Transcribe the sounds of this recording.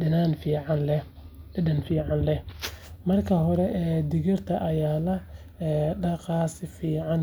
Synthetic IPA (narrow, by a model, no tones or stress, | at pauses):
ɪnanfiːʕɑnlɛ | ɪdɐnfiːʕɑnlɛhmɐrkʰɐɦɔɾɛʔɛːd̪ɪɣɪrt̪ʰɐʔɐjaːlɐ | ɛːɖɑqɑːsɪfiːʕɑn